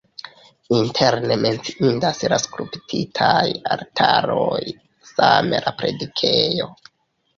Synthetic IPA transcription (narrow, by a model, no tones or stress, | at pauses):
intʰe̞ɾne̞me̞nt͡siʔindaslaskɾuptʰitʰajaltʰaɾo̞j | same̞lʔapɾe̞dikʰejo̞